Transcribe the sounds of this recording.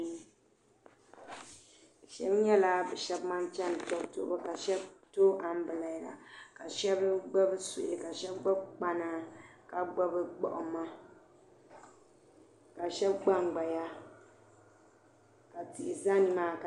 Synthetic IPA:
ʃɛ˦bɲɛ˦la˦bɨ˨ʃɛ˦bma˦nt͡ʃɛ˦n˨tɔ˦kto̰˦˨˦a˦ka˨ʃɛ˦bto˦ʔa˨m˦bɨ˨la˨i˨la̰˨ka˨ʃɛ˦bɨ˦ɡ͡ba˦bɨ˦sṵ˨ʔi˨ka˨ʃɛ˦b̚ɡ͡ba˦b̚k͡pa˦na˦ka˨ɡ͡ba˦bɨ˦ɡ͡bɔ̰˨ʔʊ˨ma˦ | ka˨ʃɛ˦bɡ͡ba˦ŋɡ͡ba˨ja˦ | ka˨ti˨ʔɪ˨za˦nɨ˨maː˦˨ka˨

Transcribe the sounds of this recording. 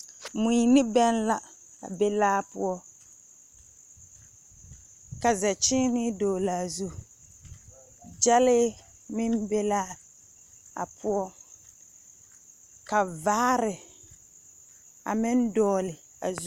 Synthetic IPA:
mu˨i˨nɪ˦bɛ˦n˦la˦ | a˨be˦laː˦pʊ˦ɔ˦ | ka˨zɛ˨t͡ʃɪ˦nɪ˦doː˨la˨zu˦ | d͡ʒɛ˦lɪ˦ | mɪ˦nbɛ˦laː˦ | a̰˨pu˦ɔ˦ | ka˨vaː˦ɾɪ˨ | a̰˨mɪ˦n˦dɔː˦lɪ˨ | a̰˨zu˦

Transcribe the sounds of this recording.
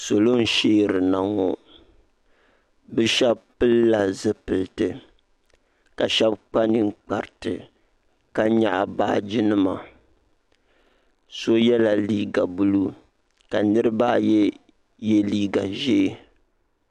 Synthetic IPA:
so˨lo˦n̩˦ʃeː˦ɾɨ˨na˨ŋɔ˨ | bɨ˦ʃɛ˦b̚pɨ˦lːa˨zɨ˦pɨ˨ltɨ˨ | ka˨ʃɛ˦bk͡pa˦nɨ˨ŋ̩˦k͡pa˨ɾtɨ˨ | ka˦ɲa˨ʔa˨baː˦d͡ʒi˦nɨ˦ma̰˨ | so˦jɛ˦la˨liː˦ɡa˨bu˦lu˦ | ka˨nɨ˦ɾɨ˦ba˦jɛ˦ | je˦liː˦ɡa˨ʒe˦˨

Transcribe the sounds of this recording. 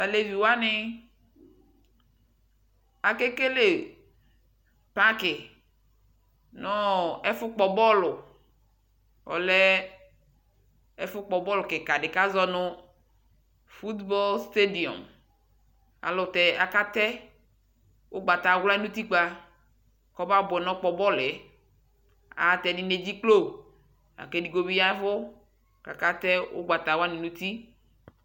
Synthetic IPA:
a˨le˨vi˨wa˦nɪ˦ | a˨ke˦ke˦le˦˨ | pa˦kɪ˨ | nɔ˦ɛ˦fʊ˦k͡pɔ˨bɔ˦lʊ˨ | ɔ̰˨lɛ˦ | ɛ˦fʊ˦k͡pɔ˨bɔ˦lʊ˨kɪ˨ka˨ɖɪ˨ka˦zɔ˦nʊ̃˦ | fu˦t̪bɔ˦lst̪e˦di˨ɔ̰˨m | a̰˨lʊ˨t̪ɛ˨a˨ka˦t̪ɛ˦ | wʔo˦ɡ͡ba˨t̪a˨wla˦i˦nũ˦t̪i˦k͡pa˦ | kɔ˦ba˦bʊ˨ɛ˨nɔ̃˦k͡pɔ˨bɔ˦le˨ | a̰˨˦t̪ɛ˨ni˦ne˨d͡ʑi˦klo˦˨b | a̰˨ke˦ɖi˨ɡo˦bi˦ja˦fʊ˦ | ka˨ka˦t̪ɛ˦wʔo̰˦ɡ͡ba˨t̪a˨wa˦ni˨nũ˦t̪i˦

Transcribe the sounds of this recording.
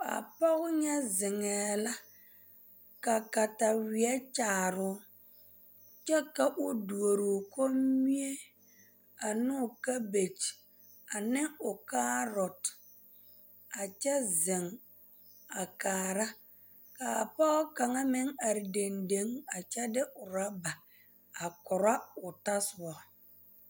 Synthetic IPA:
a̰˨pɔ˦ɣʊ˦ɲɛ˦zɪ˨ŋɛː˨la˦ | ka˨ka˨ta˨wɪ˨ɛ˦t͡ʃaː˨ɾʊ˦ | t͡ʃɛ˦ka˨ʔʊ˦du˨o˨ɾʊ˨ko˦mi˦e˦ | a˨nʊ˦˨ka˦be˨t͡ʃ | a˨nɪ˦ʊ˨kaː˦ɾɔ˨t | a˨t͡ʃɛ˦zɪ˨ŋ | a˨kaː˨ɾa˦ | kaː˨pɔ˦ɔ˦ka˨ŋa˦mɪ˦ŋa˨ɾɪ˨de˨nde˨˦ŋa˨t͡ʃɛ˦dɪ˦ʔʊ˨ɾa˦ba˨ | a˨kɔ˨ɾa˦ʊ˨ta˦sʊ˨ɔ˨

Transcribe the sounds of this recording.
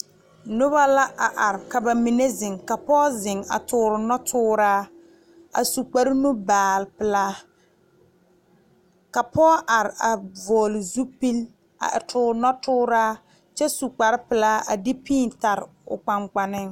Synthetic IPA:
nʊ˦ba˦la˦ʔa˨ʔa˨ɾɪ˨ka˨ba˨mi˨ne˦zɪ˨ŋka˨pɔː˦zɪ˨ŋa̰˨tʊː˨ɾɪ˨nɔ˦tʰʊː˦ɾaː˦ | a̰˨su˨k͡pa˨ɾɪ˦nʊ˦baː˨lpɪ˨laː˦ | ka˨pɔː˦ʔa˨ɾɪ˨a˨vɔː˨lɪ˨zu˦pi˦l | a̰˨ʔɪ˨tʰʊː˨ɾnɔ˦tʊː˦ɾaː˦ | t͡ʃɛ˦su˨k͡pa˨ɾɪ˦pɪ˨laː˦a˨dɪ˦piː˦n˨ta˨ɾɪ̰˨ʊ̰˨k͡pa˨ŋk͡pa˨nɪ˦ŋ

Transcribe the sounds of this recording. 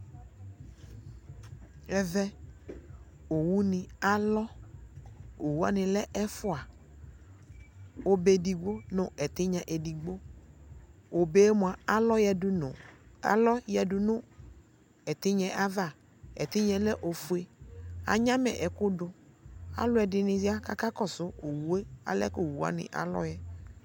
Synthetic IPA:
ɛ˦vɛ˦ | o˨wu˦nɪ̃˨a˦lɔ˦ | o˨wu˦a̰˦nɪ̃˨lɛ˦ʔɛ˦fʊ˦a˨ | o˦be˨di˨ɡ͡bo˦nʊ̃˨ɛ˨t̪ɪ˦ɲã˨ʔe˨di˨ɡ͡bo˦ | o˨be˨˦mʊ˨a˨a˨lɔ˦jɛ˨dʊ˦nʊ̃˨a̰˨lɔ˦jɛ˨dʊ˨nʊ̃˦ | ɛ˨t̪ɪ˦ɲɛ̃˦˨ʔa˦va˦˨ | ɛ̰˨t̪ɪ˦ɲɛ̃˨lɛ˦ʔo˨fu˨e˦a̰˨ɲã˦mɛ̰˨ʔɛ˨kʊ˦dʊ˨a̰˦lʊ˦ɛ˨dɪ˨nɪ˨za˦ka˦ka˦kɔ˦sʊ˦o˨wu˨˦e˦a̰˨lɛ̰˦ko˨wu˨a̰˨nɪ̰̃˨ʔa̰˨lɔ̰˦jɛ˦

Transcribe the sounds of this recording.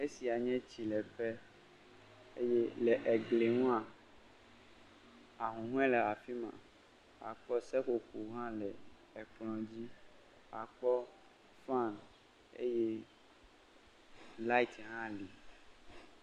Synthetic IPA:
e˦si˨a˨ɲɛ̃˦t͡ɕi˨lɛ˨ɸɛ˦ | ḛ˦jɛ˦lɛ˨ʔɛ˨ɡle˨ŋũ˦ã˨ | a˨ɦũ˨ɦũ˦ɛ̃˦lɛ˨a˨fi˦mã̰˨ | a̰˨k͡pɔ˦sɛ˦ko˨ku˨ɦã˦lɛ˨ | ɛ˨k͡plɔ̃˨d͡ʑi˦ | a˨k͡pɔ˦ | fa˦˨n | ḛ˦jɛ˦ | la˦i˦tɦã˦li˨

